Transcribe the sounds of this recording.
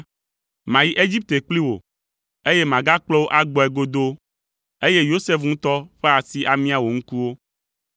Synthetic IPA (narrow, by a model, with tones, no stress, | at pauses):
mã˨ji˦ʔe˦d͡ʑi˦p̚t̪e˨k͡pli˦wo̰˨ | e˦je˦mã˨ɡa˦k͡plɔ˦wo˦ʔa˦ɡ͡bɔ˨ɛ˨ɡo˦d̪o˦ | e˦je˦jo˦se˦fŋũ˦t̪ɔ˦ɸe˦a˨si˦ʔa˨mĩ˦a˨wo˨ŋ̩̃˦ku˦wo˦